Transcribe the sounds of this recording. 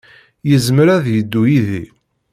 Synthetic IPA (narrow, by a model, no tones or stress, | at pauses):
jəzmɾæðjəd̪ːujiði